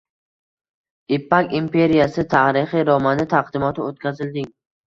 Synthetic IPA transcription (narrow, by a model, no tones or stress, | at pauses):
ɪpːakʲimpʰe̞ɾijasɪt̪ʰaɾɪχɪɾɒmanɪt̪ʰaqd̪ɪmɒt̪ʰɪot̪̚kʲazɪld̪ɪŋ